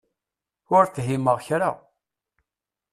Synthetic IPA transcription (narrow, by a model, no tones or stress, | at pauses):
ʊɾθɦimːəʁçɾa̰